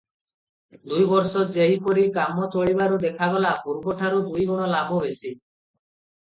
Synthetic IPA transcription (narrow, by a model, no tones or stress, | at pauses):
d̪ujbɔɾsɔd͡ʒeɦipoɾikamɔt͡ʃoɭibaɾud̪ekʰaɡɔlapuɾbɔʈʰaɾud̪ujɡɔɽ̃ɔlabʱɔbesi